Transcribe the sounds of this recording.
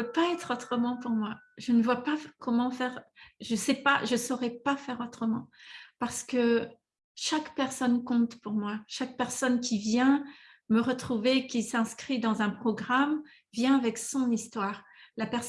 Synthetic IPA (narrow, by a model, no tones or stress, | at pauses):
øpaɛt̪χot̪χəmɑ̃puʁmwaʒənəvwapakɔmɑ̃fɛʁʒəsɛpaʒəsɔʁɛpafɛʁot̪χəmɑ̃paʁsə̥kə | ʃakpɛʁsɔnkɔ̃t̪puʁmwaʃak̚pɛʁsɔnkʲivjɛ̃ | məʁət̪χuvekʲisɛ̃skχid̪ɑ̃zɛ̃pχɔɡʁam | vjɛ̃avɛksɔ̃nist̪waːʁlapɛʁs